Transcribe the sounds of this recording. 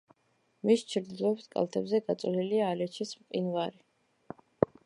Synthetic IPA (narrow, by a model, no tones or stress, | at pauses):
mist͡ʃʰɾd̪ilˠɔɛpsʰkʼa̰lˠt̪ʰɛbzɛɡat̪sʼliliaːlɛt͡ʃʰismqʼḭnvaɾi